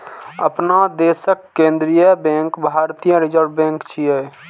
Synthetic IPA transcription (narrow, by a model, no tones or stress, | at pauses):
əpnad̪eːsəkːẽːnd̪ɾijəbẽŋkbʱaːɾt̪ijə̃ɾid͡ʒəɾbẽːŋkt͡ʃʰiɛ